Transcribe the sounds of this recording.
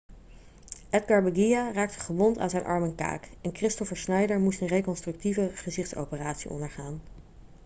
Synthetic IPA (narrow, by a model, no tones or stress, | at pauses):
ʔɛd̚ɡɑɹbəɡijaraːk̚tə̥χəʋɔnta̰nzɛjnʔɑ̰ɹmɛnka̰ːkɛnkrɪstɔfəɹsnɛjdəɹmustənrejkɔnstrʏk̚tivəχəzɪχtso̰wpəraːtsḭʔɔ̰ndəɹχaːn